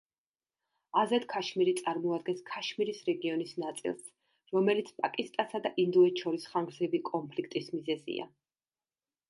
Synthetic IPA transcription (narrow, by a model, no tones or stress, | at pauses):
azɛt̪kʰaʃmiɾit̪sʼaɾmɔad̪̚ɡɛnskʰaʃmiɾisɾɛɡiɔnisnat̪sʼḭlˠs | ɾɔmɛlit̪sʰpʼakʼist̪ʼasad̪aʔind̪ɔɛt̪ʃɔɾisχaŋɡɾzɾibikʼɔmpʰlikʰt̪ʼismizɛzḭa̰